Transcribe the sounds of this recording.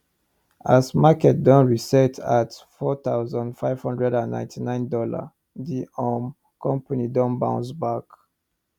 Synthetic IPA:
asmakɛt̚dɔ̃nɹisɛtʰatfɔt̪aʊzə̃ndfaɪv̥hɔ̃ndɹɛdãnːã̰ɪ̃ntʰinãɪ̃ndɔla̰ | diɔm | kʰɔ̃mpanidɔ̃mbãʊ̃nsbak

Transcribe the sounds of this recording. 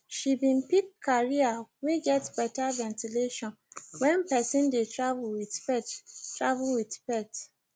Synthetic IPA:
ʃibĩnpikʰːaɹiaweɡɛtbɛtavɛ̃ntileʃɔ̃n | wɛ̃npɛsĩndetɹavulwidpɛttɹa̰vlwidpɛt

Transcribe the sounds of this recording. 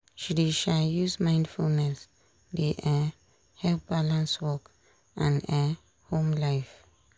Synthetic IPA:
ʃidiʃajusmãj̃ndfulnɛs | deʔɛ | hɛlp̚balãnswɔk | ʔãnɛ | hõmlajf

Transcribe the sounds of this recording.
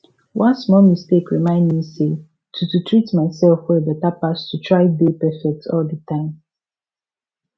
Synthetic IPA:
wʔãnsmɔlmistekɹimãɪ̃ndmise | tʰututʰɹitmaɪsɛlfwɛdɛtapastʰutʰɹaɪdepɛfɛk̚tʰɔldətʰãɪ̃m

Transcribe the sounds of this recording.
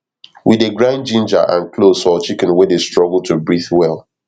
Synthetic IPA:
wideɡɹãɪ̃nd͡ʒĩnd͡ʒə̰ʔã̰nklosɔt͡ʃikɛ̃nwedestɹɔɡl̩tʰubɹiθwɛlˠ

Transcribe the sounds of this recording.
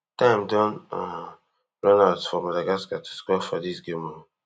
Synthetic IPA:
tãɪ̃mdɔ̃na | ɹɔnalsfɔmadaɡaskatʰu̥skɔfɔdisɡẽmɔ

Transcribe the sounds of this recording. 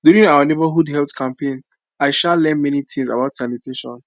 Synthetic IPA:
duɹĩŋaʊənebəɦudɦɛltkʰãmpẽn | aɪʃallːɛ̃nmɛnitʰĩŋsa̰baʊtsanitʰeʃɔ̰̃n

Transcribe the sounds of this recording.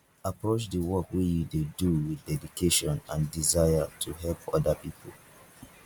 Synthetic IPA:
apɹot͡ʃdəwɔkwijideduwiθdɛdikʰeʃɔ̃nãndizajatʰuɦɛlpʰɔdəpipʰol

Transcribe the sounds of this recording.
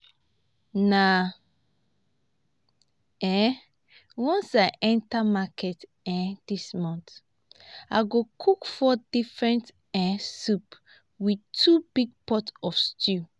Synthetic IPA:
na | ɛ | wɔ̃nsaɪʔɛ̃ntamakʰɛt | ɛ̃dismɔ̃nt | aɡokʰukfɔdifɹɛ̃nt | ɛ̃sup | widtʰubiɡ̚pɔtsɔfstʰu

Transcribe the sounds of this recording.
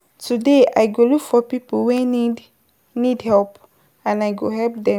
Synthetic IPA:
tudea̰jɡolukfɔpipowɛid | nidhɛlp | ãnajɡoɦɛlp̚dɛ̃

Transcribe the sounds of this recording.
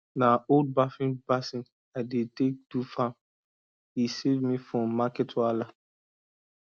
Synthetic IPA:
naold̚bafĩnbasĩn | aɪdetek̚dufãm | hisevmifɹɔ̃mːakɛtʰwala

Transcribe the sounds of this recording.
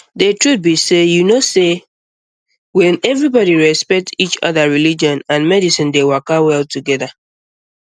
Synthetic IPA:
detɹut̚bisejunose | wɛ̃nɛvɹibɔɾiɹɛspɛk̚tit͡ʃɔ̰ðaɹilid͡ʒɔ̃nãnmɛdisĩndewakawɛltuɡɛða

